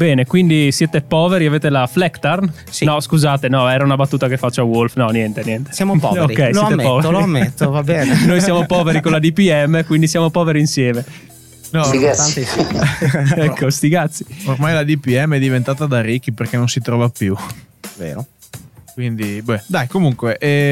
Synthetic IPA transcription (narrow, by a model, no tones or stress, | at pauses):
bɛːnekwind̪isjɛːt̪epɔːveɾiaveːt̪elaflɛkt̪arn | sinɔskuzaːt̪enɔɛːɾaunabat̪ːuːt̪akefːat͡ʃːoawolfnɔnjɛnt̪enjɛnt̪e̥sjamopɔ̰oɾikːɛjssoɛt̪ːpɔveloamːet̪ːoovabɛːnenojsjaːmopɔːveɾikonlad̪ipiɛmːekwind̪isjaːmopɔːveɾiːnsjɛːme | nɔiɡea | ɛkʰːost̪iɡat̪sːiormajlad̪ipiɛmːɛd̪ːivent̪aːt̪ad̪arikːiperkenonsit̪ɾɔvapjuvḛːɾo̰ | kwind̪ibɛd̪ajkomuŋkweʔɛ